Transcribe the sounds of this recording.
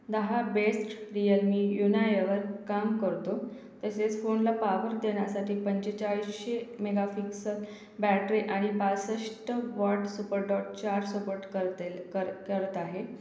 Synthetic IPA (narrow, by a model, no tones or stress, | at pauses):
d̪əɦabesʈɾijəlmiːjunajəʋəɾkamkəɾt̪o | t̪əset͡sfonlapaʋəɾd̪eɳjasaʈiːpəɲt͡ɕet͡ɕaɭisɕemeɡafiksək | bæʈɾeʔaɽ̃ipasəʂʈəʋɔʈsupəɾɖɔʈ̚t͡ɕaɾsəpoɾʈkə | kəɾət̪aɦe